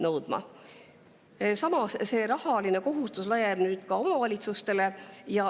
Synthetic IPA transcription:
nɤwd̪̥mɑ̰ | sɑmɑsse̞ːɾɑhɑline̞ko̞ɦust̪uslɑjebnyːd̪̥kɑo̞mɑvɑlʲit̪sust̪e̞le̞jɑ

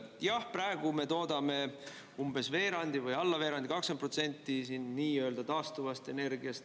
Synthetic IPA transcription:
jɑhprɑeɡ̥ume̞t̪o̞ːd̪̥ɑme̞ | umb̥e̞sve̞ːɾɑnʲd̪̥ivɯjɑlːɑve̞ːɾɑnd̪ikɑksepro̞t̪se̞nʲt̪ˑːisiːnːiːø̞ld̪ɑt̪ɑːst̪uvɑst̪e̞ne̞rɡiɑst̪

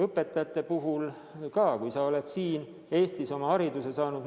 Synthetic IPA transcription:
ɤpːˑe̞t̪ːˑɑjɑt̪ːˑe̞puɦul | kɑːkujsɑo̞le̞d̪siːn | e̞ːst̪iso̞mɑhɑɾid̪use̞sɑːnud̪

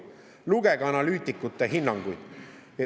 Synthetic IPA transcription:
luɡe̞ɡ̥ɑnɑlyːt̪ʲːˑikːˑut̪ːˑeɦinːɑŋɡ̥ujd̪̥

